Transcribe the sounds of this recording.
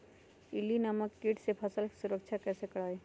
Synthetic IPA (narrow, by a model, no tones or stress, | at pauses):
ɪlinaməkːiʈsepʰɐsəlki̥suɾəkt͡ʃʰakɛːsekɐɽaːe